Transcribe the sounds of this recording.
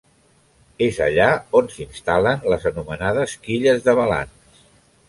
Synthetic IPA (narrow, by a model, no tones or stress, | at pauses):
ezə̰ʎaonsinst̪alənləzənumənaðəskiʎəzðəβəla̰ns